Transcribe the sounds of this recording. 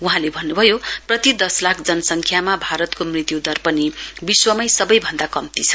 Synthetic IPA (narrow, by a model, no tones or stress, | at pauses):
uɦãlebʱʌnːubʱʌjoprʌt̪id̪ʌslakʰd͡zʌnʌsʌŋkʰjamabʱaɾʌt̪komrit̪jud̪ʌrpʌnibiswʌmʌjsʌbʌjbʱʌnd̪akʌmt̪it͡sʰʌ̥